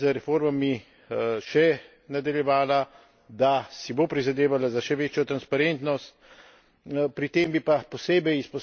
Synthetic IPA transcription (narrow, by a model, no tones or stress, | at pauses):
zəɾɛfoːɾmami | ʃɛ | nad̪aljɛʋaːla | d̪asibopɾizad̪eːʋalazaʃɛʋeːt͡ʃjɔt̪ɾanspaɾent̪nɔst̪̚ | pɾit̪eːmbipapɔseːbɛjispɔs